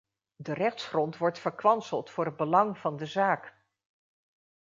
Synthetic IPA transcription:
dərɛχtsχrɔntʋɔɹtfəɹkʋɑnsəlˠtfʊːɹɦəd̚bəlɑŋv̥ɑndəzaːk

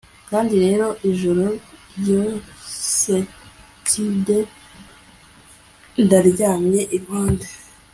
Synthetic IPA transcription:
kaːndiɾe̞ːɾo̞ʔiʒuɾoɾjose | tʰide | ndaɾɟaːmɲe̞ʔiβhoːnde

